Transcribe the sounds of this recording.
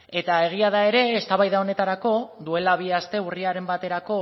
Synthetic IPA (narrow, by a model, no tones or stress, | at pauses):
e̞t̪ae̞ɣ̞iað̞ae̞ɾe̞ːst̪aβajðao̞ne̞t̪aɾako̞d̪ue̞laβiast̪e̞uriaɾe̞mbat̪e̞ɾako̞